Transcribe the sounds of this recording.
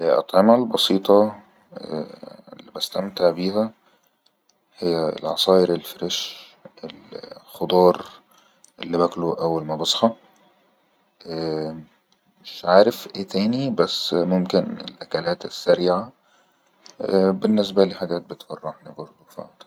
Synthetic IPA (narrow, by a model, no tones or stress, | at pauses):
elʔɑ̰t̪ˤʕemælbɑsiːt̪ˤɑ̰ | ḛlːibæst̪æmt̪aʕbiːhæ | hejːæ̰lʕɑ̰sˤɑːʔeɾelfeɾeʃʔelxod̪ˤɑːɾˤ | ʔelːibækloʔæwːælmæbɑsˤħɑ | ʔæ | meʃʕaːɾefʔeːt̪ʰæːnibæsːmomkenḛlʔækælæːt̪esːæɾiːʕa | benːes̬bæliħaɡæːt̪̚bet̪fɑrˤːɑħnibɑɾˤd̪ˤufa̰ʕt̪